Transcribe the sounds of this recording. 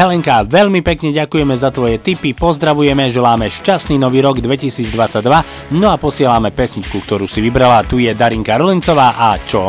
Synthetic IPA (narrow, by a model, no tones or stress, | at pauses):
ɦɛlɛŋkaʋɛʎmipɛkɲɛɟakujɛmɛzat̪ʋɔjɛt̪ipipɔzd̪ɾaʋujɛmɛʒɛlaːmɛʃcasniːnɔʋiːɾɔɡd̪ʋɛcisiːd͡zd̪ʋat͡sːaɟ̚d̪ʋa | nɔapɔsɪɛlamɛpɛsɲit͡ʃkukt̪ɔɾuːsiʋibɾalat̪ujɛd̪aɾiŋkaɾɔlint͡sɔʋaːʔat͡ʃɔ